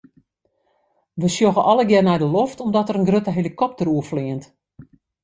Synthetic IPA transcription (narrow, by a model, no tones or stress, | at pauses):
ʋəsjoɣəʔɔləɡɛrnɛjdəloftɔmdɔtərənɡrøtəɦelikɔp̚təruəfliənt